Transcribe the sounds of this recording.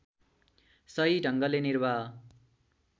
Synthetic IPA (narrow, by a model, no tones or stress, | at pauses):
sʌɦiɖʱʌŋɡʌlenirba